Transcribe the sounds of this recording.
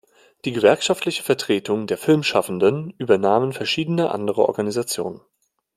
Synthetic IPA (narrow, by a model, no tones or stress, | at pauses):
d̥iːɡəvɛɐkʃaftlɪçə̥fɛɐtʁ̥eːtʰʊŋdeːɐfɪlmʃafn̩dənʔyːbɐnaːmənfɛɐʃiːdənəʔa̰ndəʁ̞əʔɔ̰ɐɡanizat͡sjo̰ːnən